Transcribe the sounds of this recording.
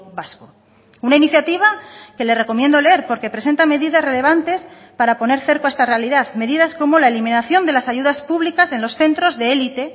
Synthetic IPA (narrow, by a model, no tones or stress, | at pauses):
βasko | unainiθjat̪iβ̞ake̞le̞re̞ko̞mje̞nd̪oleeɾpo̞ɾke̞pɾes̬e̞nt̪ame̞ðiðazre̞le̞β̞ant̪e̞s | paɾapo̞ne̞ɾθe̞ɾkoaest̪are̞aliðaðme̞ðiðasko̞mo̞laelimĩnaθjo̞nd̪e̞lasaʝuðaspuβlikase̞nlo̞sθe̞nt̪ɾo̞zðe̞elit̪e̞